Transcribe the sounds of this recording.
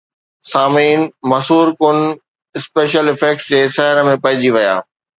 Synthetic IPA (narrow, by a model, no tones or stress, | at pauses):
saːmiːnmɐsɦuːɾkʊn | ɪspeːʃəlɪfeːk̚sd͡ʑeːsɐɦɪɾəmẽpɐ̃ɦɪ̃d͡ʑiʋɐja̰ː